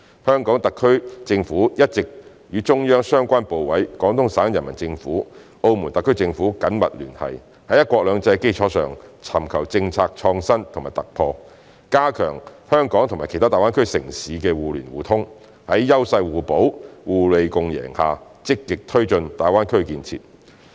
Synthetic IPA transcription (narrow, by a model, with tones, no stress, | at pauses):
hœː˥ŋkɔː˨˥ŋt̪ɐ˨kʰːɵ˥ɥt͡sɪ˧ŋfuː˨˥jɐ˥t̚t͡sɪ˨k̚ | jyː˨˧t͡ʃʊ˥ŋjœː˥ŋsœː˥ŋkʷaː˥npo˨wwɐ˨˥jkɔː˨˥ŋt̪ʰʊ˥ŋsaː˨˥njɐ˨˩nmɐ˨˩nt͡sɪ˧ŋfuː˨˥ | o˧wmu˨˩nt̪ɐ˨kʰːɵ˥ɥt͡sɪ˧ŋfuː˨˥kɐ˨˥nmɐ̰˨t̚lyː˨˩nhɐ̰˨˩j | hɐ˨˥jɐ˥t̚kwɔː˧k̚lœː˨˧ŋt͡sɐ˧jke˥jt͡ʃʰɔː˨˥sœ̰ː˨ŋt͡sʰɐ˨˩mkʰɐ˨˩wt͡sɪ˧ŋt͡sʰaː˧k̚t͡ʃʰɔː˧ŋsɐ˥nt̪ʰʊ˨˩ŋmaː˨jt̪ɐ˨k̚pʰɔː˧ | kaː˥kʰœ̰ː˨˩ŋhœː˥ŋkɔː˨˥ŋt̪ʰʊ˨˩ŋmaː˨jkʰe˨˩t̪ʰaː˥t̪aː˨jwaː˥nkʰɵ˥ɥsɪ̰˨˩ŋsiː˨˥kɛː˧wuː˨lyː˨˩nwuː˨t̪ʰʊ˥ŋ | hɐ˨˥jːɐ˥wsɐ˧jwuː˨po˨˥wwuː˨˩le˨˧jkʊ˧ŋjɛ̰ː˨˩ŋhaː˨ | t͡sɪ˥kːɪ˨k̚t̪ʰɵ˥ɥt͡ʃɵ˧nt̪aː˨˩jwaː˥nkʰɵ˥ɥkiː˧nt͡sʰḭː˧˨t̚